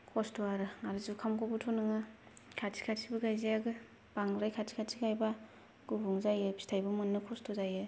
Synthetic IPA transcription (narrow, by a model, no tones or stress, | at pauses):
kʰostoaɾɯŋaɾɯzukʰamkʰɔbutʰonɯŋɯ | kʰasʰi̥kʰatsʰibɯɡajziaɡɯ | b̥aŋɾajkʰasʰi̥kʰatsʰikajba | ɡ̥ubuŋzajɯbʰi̥stʰajbɯmɯnːɯkʰɔstʰozajɯ